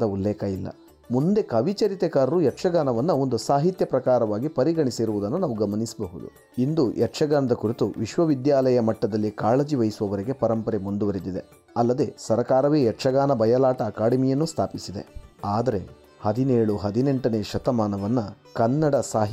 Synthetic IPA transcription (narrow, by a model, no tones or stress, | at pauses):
ɐulːɛːkɐilːɐ̰ | mund̪e̞kɐʋit͡ʃɐɾit̪ɛkaːɾɐɾujɛʈʂɐɡaːnɐʋɐnːɐo̞nd̪usaːɦit̪jɐpɾɐkaːɾɐʋaːɡipɐɾiɡɐɳisiɾuʋud̪ɐnːunaːʋuɡɐmɐnisɐbɐɦud̪ṵ | ind̪uʔɛʈʂɐɡaːnɐd̪ɐkuɾit̪uʋiʃʋɐʋid̪jaːlɐjɐmɐʈːɐd̪ɐlːikaːɭɐd͡ʒiʋɐjisuʋɐʋɐɾiɡe̞pɐɾɐmpɐɾemund̪uʋɐɾid̪id̪e̞ | ɐlːɐd̪e̞sɐɾɐkaːɾɐʋeːjɛʈʂɐɡaːnɐbɐjɐlaːʈɐːkaːɽɐmijɐnːust̪ʰaːpisid̪e̞̰aːd̪ɐɾe̞̰ | hɐd̪ineːɭuɦɐd̪ine̞ɳʈɐne̞ːʃɐt̪ɐmaːnɐʋɐnːɐkɐnːɐɽɐsaːɦ